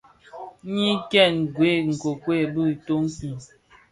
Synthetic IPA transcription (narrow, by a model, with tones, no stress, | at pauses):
ɲi˦kɛ˦˨n˨ɡwe˨˦ŋ̩˨ko˨kwe˦˨bɨ˦˨to˦ŋ̩˦ki˨